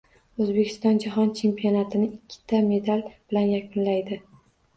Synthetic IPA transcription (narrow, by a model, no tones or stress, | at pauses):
ɵzbe̞kʲʰɪ̥st̪ɒnd͡ʒaɦɒnt͡ʃʰe̞mpionat̪ʰɪnɪʔɪkʲʰːɪ̥t̪ʰame̞d̪alb̥ɪlanjakʰʊnlajd̪ɪ